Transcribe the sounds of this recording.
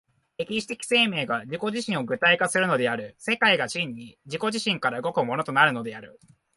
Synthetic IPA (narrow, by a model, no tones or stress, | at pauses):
e̞kʲiɕi̥t̪e̞kʲi̥se̞ːme̞ːɡad͡ʑiko̞ʑiɕĩɰ̃o̞ɡɯ̟t̪aikasɨɾɯ̟no̞d̪e̞aɾɯ̟se̞kaiɡaɕĩɲ̟ːid͡ʑiko̞ʑiɕĩŋkaɾaɯ̟ɡo̞kɯmo̞no̞t̪o̞naɾɯ̟no̞d̪e̞aɾɯ̟̰